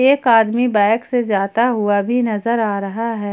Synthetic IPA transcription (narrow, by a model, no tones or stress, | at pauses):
eːkaːd̪mibɛ̃ːksezjaːt̪aɦuabʱinɐzəɾaːɾɐɦaɦɛː